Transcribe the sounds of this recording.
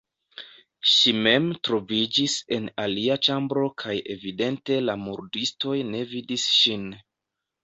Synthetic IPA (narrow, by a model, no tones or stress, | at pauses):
ʃime̞mtɾo̞vid͡ʒise̞naliat͡ʃambɾo̞kʰaje̞̰vide̞nte̞lamuɾdisto̞jne̞vidisʃin